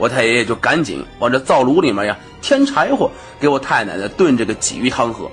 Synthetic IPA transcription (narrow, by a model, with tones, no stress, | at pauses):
wɔ˨˩t̪ʰa˥˩ɪjɛ˧˥jɛ˨˩t͡ɕjo˥˩ʊka˧˥nt͡ɕḭ˨˦ŋwɑ̰˨˩ŋʈ͡ʂə˧t͡sɑ˥˩ʊlu˧˥li˨˩ma˧˥ja˧ | t̪ʰjɛ˥nʈ͡ʂʰa˧˥ɪxwɔ˨˩˦ | ke˧˥ɪwɔ˨˩˦t̪ʰa˥˩ɪna̰˨˧˩nd̪ə˦t̪wə˥˧nʈ͡ʂɤ˥˩ɡə˩t͡ɕḭ˨˩y˥˩t̪ʰɑ˥ŋxɤ̰˧˥